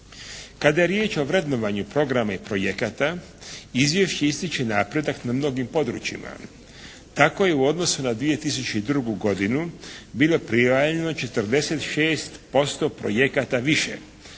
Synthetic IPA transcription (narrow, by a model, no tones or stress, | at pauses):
kad̪aje̞ɾjeːt͡ʃo̞ʋɾe̞d̪no̞ʋaɲupɾo̞ɡɾamaipɾo̞jekat̪a | izʋje̞ʃt͡ɕe̞ist̪it͡ɕenaːpɾe̞d̪aknamno̞ɡimpo̞d̪ɾṵt͡ʃḭma̰ | t̪ako̞je̞uo̞d̪no̞sunad̪ʋije̞t̪is̬ut͡ɕeid̪ɾuɡuɡo̞d̪inubilˠo̞pɾiaʎe̞no̞t͡ʃe̞t̪rd̪e̞set̪ʃeːst̪po̞st̪o̞pɾo̞̰je̞kat̪aʋiʃḛ